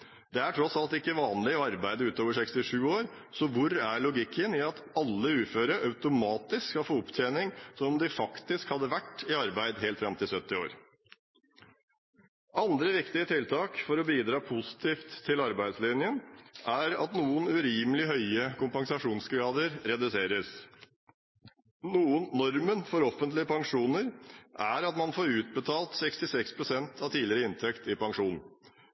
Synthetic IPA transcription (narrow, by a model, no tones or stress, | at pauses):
d̪ɛæʈʰɾɔsɑlt̪ɪkːəʋɑːnlɪɔɑɾbæɪd̪əʉːt̪oːʋəʂɛkst̪ɪʂʉːoːɾ | sɔʋʊɾæɭʊɡɪkʰːənɪɑt̪ɑlːəʉːføːɾəʔɑʉt̪ʊmɑːt̪ɪskːkɑlfoːʊpt̪ʰeːnɪŋsɔmɔmd̪ɪfɑkt̪ɪskhɑd̪ːəʋæʈːɪɑɾbæɪd̪ɦeːlt̪fɾɑmt̪ʰɪlsœt̪ːɪo̰ːɾ | ʔɑnd̪ɾəʋɪkt̪ɪət̪ʰɪlt̪ʰɑːkfɔɾɔbiːd̪ɾɑːpʰʊsɪ̥t̪ʰiːft̪ʰːɪlɑɾbæɪd̪slɪnjənʔæɾɑ̰t̪nuːənʉɾiːməlɪɦœʏəkʊmpɑŋsɑʂuːnsɡɾɑːd̪əɾɾɛd̪ʉseːɾəs | nuːənːɔɾmənfɔɾɔfənt̪lɪəpʰɑŋʂuːnəɾʔæɾɑt̪mɑnfoːɾʉːt̪̚bət̪ʰɑːlt̪sɛkst̪ɪsɛkspʰɾʊsɛnt̪ʰɑʋt̪ʰiːlɪɾəɪnt̪ʰɛkt̪ɪpɑŋʂuːnn̩